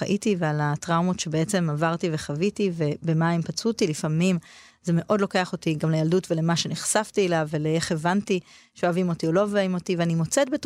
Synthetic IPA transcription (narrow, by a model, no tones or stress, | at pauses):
aʔitivealatʁawmo̞tʃebeet͡se̞mavaʁtiveχavitive̞be̞maimpat͡sutilifamim | zeme̞ʔo̞dlo̞ke̞aχo̞tiɡamlejaldutvelemaʃe̞neχsaftielaveleeχevanti | ʃeoavimo̞tiolovimo̞tiveanimo̞t͡set̚bet